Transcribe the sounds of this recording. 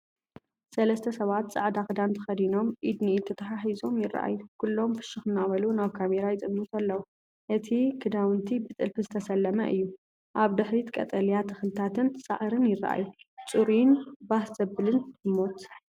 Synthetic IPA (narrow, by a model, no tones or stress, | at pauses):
sɐlɐst̪ʰɐsɐβat̪t͡sʼa̰ʕd̪akɨd̪ant̪ʰɐxɐd̪ino̞mʔid̪niit̪ʰɐt̪ʰɐħaħizo̞mjɪrːa̰ʔa̰jːukʰulːo̞mfɨ̥ʃɨxɨnːaβɐlunaβkʰameɾajɪt̪ʼɨmːut̪ɐlːɐwu | ʔɨt̪ʰikʰɨd̪awɨnt̪ʰibɨt̪ʼɨlfɨzɨt̪ʰɐsɐlːɐmɐ̰ʔɨ̰jːu | ʔaβd̪ɨħɾit̪kʼɐ̰t̪ʼɐlijat̪ʰɨxɨlɨt̪ʰat̪ʰɨnsʼa̰ʕɾɨnjɪra̰ʔa̰jut͡sʼuɾinbahzɐbɨlɨnɨmːo̞t̪